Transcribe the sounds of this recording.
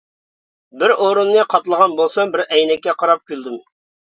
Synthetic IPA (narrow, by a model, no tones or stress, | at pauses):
bɪɾoɾunːɨqʰɑt̪lˠəʁɑnbolˠsɑmbɪɾɛjnɛkʲːɛqʰɑɾɑp̚kʲʰyld̪ym